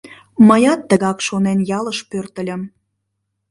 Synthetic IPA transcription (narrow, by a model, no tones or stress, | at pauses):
məjɑt̪ːəɣɑkʃonenjɑləʃpørt̪əlʲə̆m